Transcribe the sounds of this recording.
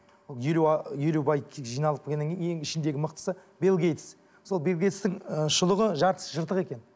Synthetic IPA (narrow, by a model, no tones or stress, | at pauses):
wolˠjeljelewbɑjʲʒijnɑlˠəpkʲekʲenːeeŋɪʃɪnd̪e̞ɡʲɪməqt̪ə̥səbe̞lˠɡʲe̞jt̪s | so̞lˠbe̞lˠɡʲejt̪st̪ɪŋəʃəlˠəʁəʒɑɾt̪ə̥sʒəɾt̪əʁe̞kʲe̞n